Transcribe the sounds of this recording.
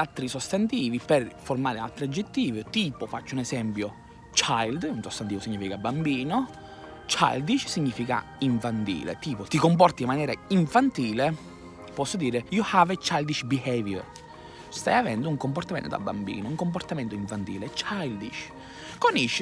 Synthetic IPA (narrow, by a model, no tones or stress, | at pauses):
alt̪ːɾisost̪ant̪iːviperformaːɾɪa̰lt̪ːɾiad͡ʒːet̪ːiːvit̪iːpofat͡ʃːʊunɛsɛmpjo | t͡ʃajld̪unsost̪ant̪iːvosiɲːiːfikabambiːno | t͡ʃa̰jld̪iʃsiɲːiːfika̰ | iɱfant̪ḭːlḛt̪iːpot̪ikomp̬ɔrt̪imːanjɛːɾaiɱfant̪iːle | pɔsːod̪iːɾejuhavet͡ʃːajld̪iʃbihɛvjɛ̰r | st̪a̰javɛnd̪ʊuŋkomport̪amḛnt̪od̪a̰bːa̰mbḭːnouŋkomport̪ament̪oiɱfant̪iːlet͡ʃajld̪iʃ | koniʃ